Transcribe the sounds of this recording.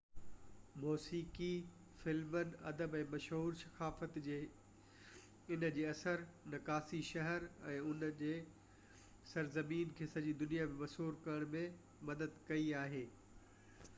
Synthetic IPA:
moːsiːki | fɪlmənɪ̆ɐ̰d̪əbɛ̃ːmɐʃɦuːɾsɐ̥xaːfət̪d͡ʑeː | ɪnəd͡ʑeːɐsəɾnɐkaːsiʃɐɦəɾɛ̃ːʊnd͡ʑeː | sɐɾzɐmiːnkʰeːsɐɲd͡ʑiːd̪ʊnijamẽmɐʃɦuːɾkɐɾəɽ̃mẽ | mɐd̪əd̪kɐiaːɦeː

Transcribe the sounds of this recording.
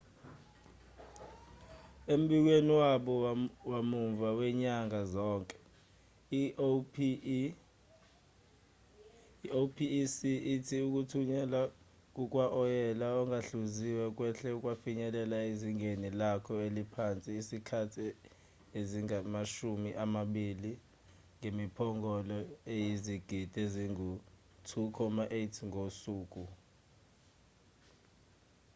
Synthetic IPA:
em̩ɓik̬weniwaɓɔwamuɱvawɛɲaŋazɔːŋkʼɛ̥ | iopʰisiːtʰiuk̬ʼutʰuɲɛla | k̬ʼuk̬ʼwaʔɔjɛlaɔŋaɬuziwɛk̬wɛɬɛukʼwafiɲɛlɛlaeziŋʱenilakʰɔelipʰant͡sʼiːsikʰatʰi | eziŋamaʃumiʔamaɓili | ŋemipʰɔŋɔlɔejiziɡ̥ʱid̥ʱeziŋu | tʰukʰɔmaʔetʰiŋʱosuːk̬ʼu

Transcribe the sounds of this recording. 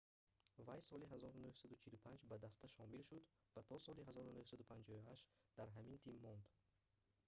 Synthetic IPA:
vajsɔliɦazɔɾunuhsad̪ut͡ʃʰilupʰand͡ʒbad̪ast̪ʰaʃɔmilʃud̪ | vat̪ʰɔsɔliɦazɔɾunuhsad̪upʰand͡ʒɔvuhaʃd̪̥aɾɦamint̪ʰimːɔnd̪

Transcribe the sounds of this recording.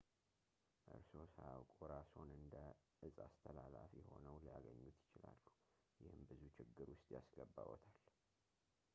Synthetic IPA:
ʔɨ̰ɾso̞sajawkʼoɾasonɨnd̪əʔɨzʼast̪ʰəlalafijɛho̞nəwlijaɡəɲːut̪jɪt͡ʃɪlalːu | jɪhɨmbɨzut͡ʃʰɪɡːɨɾwʊst̪ʼjasɡəbːawɔt̪ʰal

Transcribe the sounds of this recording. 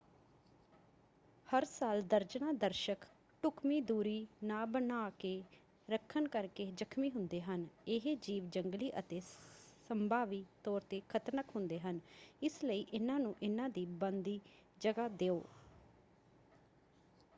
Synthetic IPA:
həɾsaːld̪əɾd͡ʒnaːd̪əɾʃək | ʈʊkmiːd̪uːɾiːnãːbənaːkeː | ɾəkʰːənkəɾkeːd͡ʒəkʰmiːɦʊnd̪eːɦənɪɦeːd͡ʒiːʋd͡ʒəŋɡliːʔət̪eːsəmbaːʋiːt̪ɔːɾt̪eːkʰət̪nəkɦʊ̃nd̪eːɦənɪsləiːʔɪnãːnũːʔɪnãːd̪iːbənd̪iːd͡ʒəɡaːd̪eːoː

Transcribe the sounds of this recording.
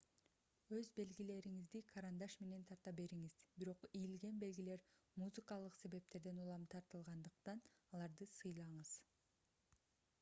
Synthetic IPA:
ø̞zbe̞lɡile̞ɾiŋizd̪ikʰɑɾand̪ɑʃme̞ne̞nt̪ʰɑɾt̪ɑbe̞ɾiŋiz̥biɾo̞qijilɡe̞nbe̞lɡile̞ɾmuzɨkɑlˠɯqse̞βe̞p̚t̪e̞ɾd̪e̞nulˠɑmt̪ʰɑɾt̪ɯlˠʁɑnd̪ɯq̚t̪ɑnɑlˠɑɾd̪ɯsɯjlˠɑɴɯz̥

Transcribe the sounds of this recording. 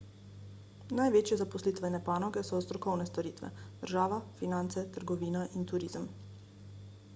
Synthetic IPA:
najʋeːt͡ʃjɛzapɔslit̪ʋɛnɛpaːnɔɡɛsɔst̪ɾɔkɔwnɛst̪ɔɾiːt̪ʋɛ̰d̪̥əɾʒaːʋafinant̪sɛt̪əɾɡɔʋiːnaʔint̪uɾiːzəm

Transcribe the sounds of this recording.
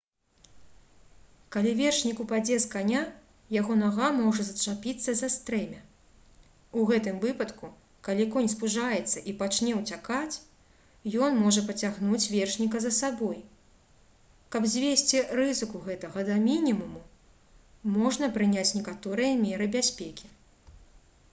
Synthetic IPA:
kalʲivʲɛrʂnʲikupad͡zʲɛskanʲa | jaɣɔnaɣamɔʐɐzɐt͡ʂapʲit̪sːɐzast̪ɾɛmʲɐ | uɣɛt̪ɨmvɨpɐt̪ku | kalʲikɔnʲspuʐajɛt̪sːɐʔipat͡ʃnʲɛwt͡sʲakat͡sʲ | jɔnmɔʐɐpɐt͡sʲaɣnut͡sʲvʲɛrʂnʲikɐzɐsabɔj | kɐbzʲvʲesʲt͡sʲirɨzɨkuɣɛt̪ɐɣɐd̪amʲinʲimumu | mɔʐnɐpɾɨnʲat͡sʲnʲɛkat̪ɔɾɨjɐmʲɛɾɨbʲasʲpʲekʲi̥

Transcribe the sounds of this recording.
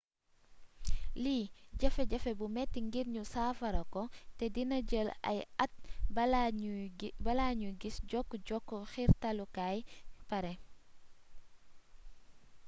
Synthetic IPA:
liːɟɐfɛɟɐfɛbumɛtːiŋɡiɾɲusaːfɐɾɐkɔtɛdinɐɟəlɐ̰jɐt̚b | bɐlaɲuɡisɟɔkːɟɔkːɔxiɾtɐlukaːjpɐɾɛ

